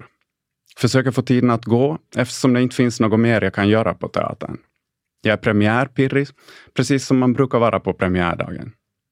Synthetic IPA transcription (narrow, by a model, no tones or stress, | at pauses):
fœʂøːkəɾfoːt̪ʰiːd̪ənat̪ɡoːʔɛft̪ə̥ʂɔmd̪ɛɪnt̪ə̥fɪnsnoːɡɔmeːɾjaːɡkʰanjœːɾa̰pʰɔt̪ʰɛ̰ɑ̰ːt̪ʰa̰ɳ | jɑːɡæɾpʰɾɛmɪæːɾpʰɪɾːɪpʰɾɛsiːsːɔmːanbɾʉ̟ːkaɾvɑːɾʔapʰɔpʰɾɛmɪæ̰ːɖɑ̰ːɡə̰n